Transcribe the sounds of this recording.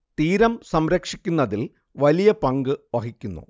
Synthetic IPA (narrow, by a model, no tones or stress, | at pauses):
t̪iːɾɐmsɐmɾɐkʂikʲːunːɐðil | ʋɐlijɐpɐŋɡɨʋɐɦikʲːunːṵ